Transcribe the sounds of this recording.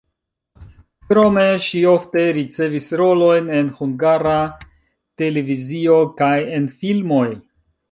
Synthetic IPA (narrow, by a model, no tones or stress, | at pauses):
kɾo̞me̞ʃio̞fte̞ɾit͡se̞visɾo̞lo̞jne̞nhuŋɡaɾa | te̞le̞vizio̞kaje̞nfilmo̞j